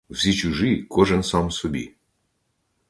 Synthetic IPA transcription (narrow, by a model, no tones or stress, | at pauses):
wsʲit͡ʃuʒikʰɔʒɛnsɑmsɔbʲḭ